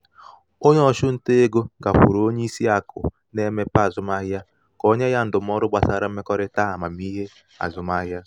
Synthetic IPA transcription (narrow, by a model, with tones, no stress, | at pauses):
o˦ɲɔ˦˨ʃʊ˦n̩˦te˦e˦ɡo˦ɡa˨ɸʊ˨ɾo˨o˦ɲe˦i˦si˦a˨kʰʊ̰˨ | ne˦me˦pa˦˨zʊ˦ma˦ɦja˦ | kɔ˦ɲe˦ja˦n̩˦dʊ˨m˦ɔ˦ɾʊ˦ɡ͡ba˨sa˨ɾa˦m̩˦e˦kɔ˦ɾɪ˦ta˦˨ma˨mi˦ɦe˦ | a̰˨zʊ˦ma˦ɦja˦